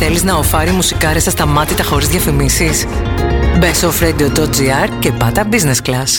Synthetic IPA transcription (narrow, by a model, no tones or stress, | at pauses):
θe̞liznɐo̞fɐɾimusikɐɾesɐst̪ɐmɐt̪it̪ɐxo̞ɾizðʝjɐfimisis | be̞sofɾed̪iod̪od͡ziɐɾce̞pɐt̪ɐbizne̞sklɐs